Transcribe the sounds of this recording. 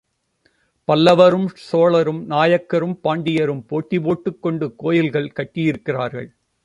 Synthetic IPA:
pɐlːɐʋɐɾɯmsoːɭɐɾɯmnaːjɐkːɐɾɯmpaːɳɖɪjɐɾɯmpoːʈːipoːʈːɯkːɔɳɖɯkoːjɪlɣɐɭkɐʈːɪjɪɾɯkːɪraːɾɣɐ̰ɭ

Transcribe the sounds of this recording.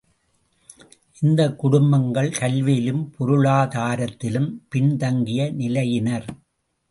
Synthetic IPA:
ʔɪnd̪ɐkːʊɽʊmbɐŋɡɐɭkɐlʋiːlɯmpɔɾɯɭaːðaːɾɐt̪ːɪlɯmpɪɳt̪ɐŋɡɪjɐnɪlɐjɪnɐɾ

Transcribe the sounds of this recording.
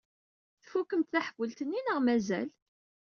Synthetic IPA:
θfukːəmt̪θæħvːəlt̪ənːinəʁmæzæ̰l

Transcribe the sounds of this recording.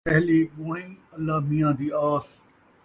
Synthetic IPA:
ɛɦleːɓoːĩːəlːaːmijãːd̪iːaːs

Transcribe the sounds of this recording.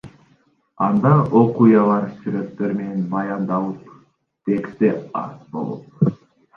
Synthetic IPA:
ɑnd̪ɑʔo̞qujɑlˠɑɾsyɾøkt̪ːeɾmenenbɑjɑnd̪ɑlˠup | t̪e̞kst̪eɑ̰ɾt̪bo̞̰lˠo̰p

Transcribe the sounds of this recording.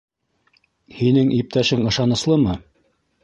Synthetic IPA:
hinɘŋʔip̚t̪æʃɘŋɤ̆ʃɑnɤ̆slˠɤmɤ

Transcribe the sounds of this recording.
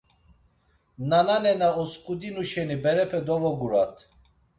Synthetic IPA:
nananɛnaɔskʼud̪inuʃɛnibɛɾɛpʰɛd̪ɔvɔɡuɾat̪ʰ

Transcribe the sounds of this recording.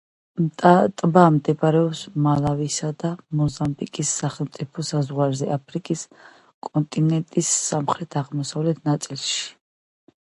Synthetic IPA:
t̪ʼat̪ʼbaːmd̪ɛbɾɛɔpsmalˠavisad̪amɔzambikʼisːaχɛlˠmt̪sʼipʰɔsazʁwaɾzɛʔapʰɾikʼis | kʼɔnt̪ʼinɛnt̪ʼisːamχɾɛt̪ʰaʁmɔsavlɛt̪ʰnat̪sʼilˠʃi̥

